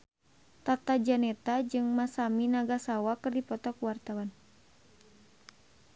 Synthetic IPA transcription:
t̪at̪ad͡ʒanɛt̪ad͡ʒɨŋmasaminaɡasawakɨrdipɔt̪ɔkuwart̪awan

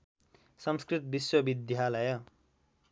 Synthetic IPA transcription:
sʌmskrit̪̚biswʌbid̪jalʌjʌ

